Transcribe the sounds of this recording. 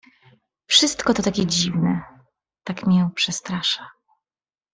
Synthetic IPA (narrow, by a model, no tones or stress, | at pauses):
fʂɘst̪kɔt̪ɔt̪akʲɛd͡ʑivnɛ | t̪akmʲiɛpʂɛst̪ɾaʂa